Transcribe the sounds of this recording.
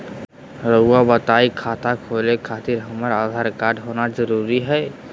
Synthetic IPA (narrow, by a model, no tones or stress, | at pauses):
ɾoabət̪aːikʰaːt̪akʰolekʰaːt̪ɪɾɦəməɾaːd̪ʱaːɾkaːɾɖɦoːnad͡ʒəɾuːɾiɦɛː